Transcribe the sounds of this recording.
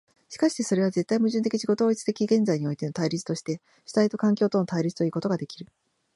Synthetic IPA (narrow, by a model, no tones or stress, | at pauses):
ɕi̥kaɕi̥t̪e̞so̞ɾe̞βaze̞t̪ːaimɯ̟ʑɨ̃nt̪̬ekʲiɕiɡo̞t̪oːit͡sɨ̥t̪e̞kʲiɡẽ̞nd͡zaiɲ̟io̞it̪e̞not̪aiɾʲit͡sɨ̥t̪o̞ɕi̥t̪e̞ | ɕi̥t̪ait̪o̞kãŋkʲo̞ːt̪o̞ːnot̪aiɾʲit͡sɨ̥t̪o̞iːko̞t̪o̞ɡad̪e̞kʲiɾɯ̟